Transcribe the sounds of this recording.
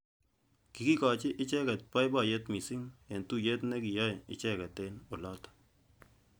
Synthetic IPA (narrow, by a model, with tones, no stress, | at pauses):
ki˨ki˦kɔ˨t͡ʃɪ˦ʔɪ˦t͡ʃɛ˦kɛ˨t̚pa˦jba˦˨jɛ˦tmi˨si˦ŋɛ˨ntu˦je˦t̪nɛ˦ki˨ja˦jɪ̰˨t͡ʃɛ˦kɛ˨t̪e˦no˨lɔ˦t̪